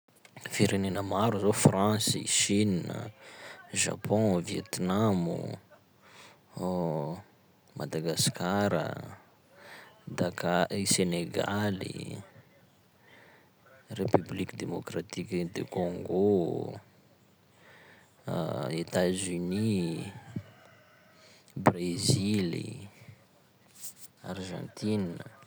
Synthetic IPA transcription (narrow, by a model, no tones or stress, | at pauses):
fiɾenenəmaɾuzofrãsḭʃinə̰ | ʒa̰pʰɔ̃vjet̪namṵ | ma̰d̪aɡaskaɾə̰ | d̪akaiseneɡalḭ | repyblikid̪emokrat̪ikid̪ḛkoŋɡo | et̪azyni | brezilḭ | a̰rʒɑ̰̃nt̪inə